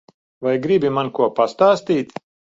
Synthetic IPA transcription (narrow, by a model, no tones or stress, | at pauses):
vajɡɾibimankuɔpast̪aːst̪iːt̪